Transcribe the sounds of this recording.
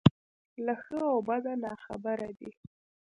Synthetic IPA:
laxəawbad̪anɑxa̰baɾad̪i

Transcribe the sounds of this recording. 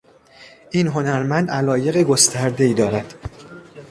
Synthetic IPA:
ʔiːnɦo̞næɾmænd̪ælɒːje̞ɣeɡo̞st̪ʰæɾd̪e̞iːd̪ɒːɾæd̪̥

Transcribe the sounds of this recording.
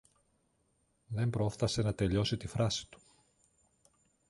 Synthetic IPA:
ðe̞mbɾo̞fθɐse̞nɐt̪e̞ʎo̞sit̪ifɾɐsi̥t̪u̥

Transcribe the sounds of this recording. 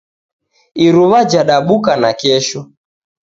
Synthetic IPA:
iɾuβad͡ʒaɗaɓukanakɛʃɔ

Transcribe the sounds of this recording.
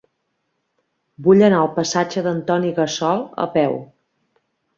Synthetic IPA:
buʎənaəlˠpəsad͡ʒəðənt̪ɔniɣəsɔlˠə̰pɛw

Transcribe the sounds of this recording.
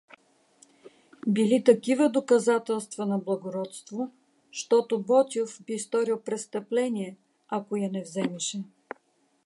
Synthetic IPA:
bilit̪ɐkivəd̪okɐzat̪ɛlˠst̪vɐnɐblˠɐɡoɾɔt̪st̪vo | ʃt̪ɔt̪ʊbɔt̪ʲofbist̪ɔɾilˠpɾɛst̪ɐplɛniɛ | akojɐnɛvzɛmɛʃɛ

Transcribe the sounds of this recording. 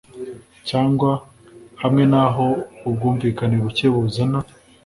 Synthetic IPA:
caːŋɡwa | hamŋe̞naɦo̞ub̚ɡuːɱviːkaneβuceβuzana

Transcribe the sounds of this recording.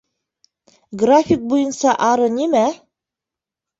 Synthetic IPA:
ɡrafʲik̚bujɤ̆nsɑʔɑɾɤnimæ

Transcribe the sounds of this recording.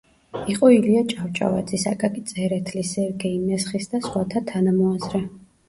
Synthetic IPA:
iqʼɔiliat͡ʃʼaft͡ʃʼa̰va̰d̪zisakʼakʼit̪sʼɛɾɛt̪ʰlisɛvɡɛimɛsχisd̪asχwat̪ʰat̪ʰanamɔazɾɛ

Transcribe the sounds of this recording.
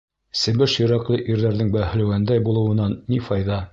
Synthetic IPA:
sɘ̆bɘʃjɤ̆ɾɑqlˠɤʔiɾðæɾðɘŋbæhɘ̆læwænd̪æjbulˠɤ̆wɤ̆nɑnːifɑjðɑ

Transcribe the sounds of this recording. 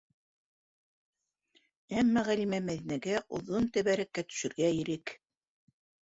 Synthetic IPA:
æmːæʁælimæmæðinæɡæʔŏ̰ðont̪æβæɾækːæt̪ɵ̥̆ʃɘ̆ɾɡæiɾɘk

